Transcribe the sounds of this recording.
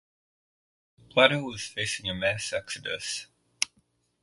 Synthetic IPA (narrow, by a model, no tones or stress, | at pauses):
bʰl̥aɾəwʌz̥feɪsɪ̃ŋəmɛsɛksɨdə̰s